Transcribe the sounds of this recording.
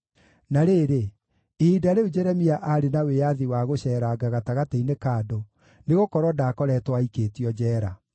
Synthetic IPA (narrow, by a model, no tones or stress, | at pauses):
naɾeːɾe | edaɾeod͡ʒɛɾɛmiaʔaɾenawejaðiwaɣoɕɛːɾaɡaɣataɣateinekaːdo | neɣokɔɾwɔdakɔɾɛtwaikeːtiɔd͡ʑɛːɾa